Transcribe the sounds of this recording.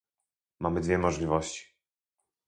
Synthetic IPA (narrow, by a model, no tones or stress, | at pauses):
mamɘd̪vʲjɛmɔʐlʲivɔɕt͡ɕi̥